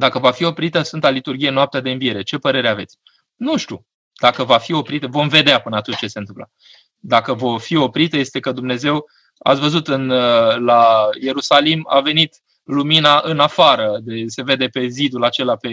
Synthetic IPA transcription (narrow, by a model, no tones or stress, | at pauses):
d̪akəvafio̞pɾit̪əsɨnt̪alit̪urɡʲijenoap̚t̪ead̪eɨnvije̞ɾe̞t͡ʃe̞pəɾe̞ɾeave̞t̪sʲ | nuʃt̪ʲṵ | d̪̥akəvafio̞pɾit̪əvo̞mve̞d̪eapɨnəat̪utt͡ʃe̞se̞nt̪ɨmpla̰ | d̪akəvo̞fio̞pɾit̪əje̞st̪e̞kəd̪umne̞ze̞w | a̰t̪sʲvəzut̪ɨnlaje̞ɾusalima̰ve̞nit̪ | luminaʔɨnafaɾəd̪e̞se̞ve̞d̪e̞pe̞zid̪ulat͡ʃe̞lape̞